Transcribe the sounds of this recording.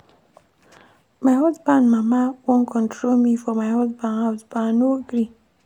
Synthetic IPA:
maɪhɔzbãnmamawõnkʰɔ̃ntʰɹolmifɔmaɪhɔzbãnhaʊsbãnoɡɾi

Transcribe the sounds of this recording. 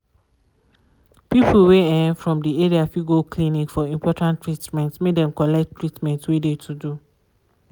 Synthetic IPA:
pipʰl̩weɛfɹɔ̃mdieɹiafiɡoklĩnikfɔĩmpʰɔtãntɹitmɛ̃ntmedɛ̃mkɔlɛk̚tːɹitmɛ̃ntwedetʰudu

